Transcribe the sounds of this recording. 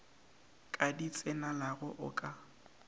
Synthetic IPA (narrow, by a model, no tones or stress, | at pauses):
kʼadit͡sʼɪnalaɣʊʔʊ̰kʼa